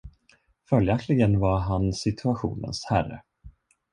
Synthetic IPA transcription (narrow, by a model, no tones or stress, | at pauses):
fœljaklɪɡənvaɾɦansɪt̪ʰɵaɧṵːnə̰nshærːə̰